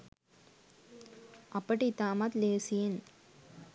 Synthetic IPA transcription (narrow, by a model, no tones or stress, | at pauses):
ʔɐpːɐʈit̪aːmat̪leːsɪjen